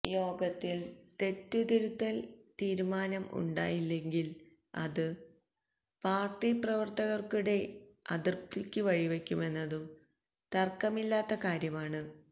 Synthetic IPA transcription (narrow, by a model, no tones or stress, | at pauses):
jo̞ːɡɐt̪ːilt̪e̞t̪ːud̪iɾut̪ːɐlt̪iːɾumaːnɐmṵɳɖa̰ːjilːe̞ŋɡil | ɐ̰ðɨ | paːrʈːiprɐʋɐrt̪ɐɣɐrkuɽe̞ɐ̰ðirt̪ːikʲːɨʋɐɻiʋe̞kʲːume̞nːɐðum | t̪ɐrkːɐmilːaːt̪ːɐkaːɾjɐmaːɳɨ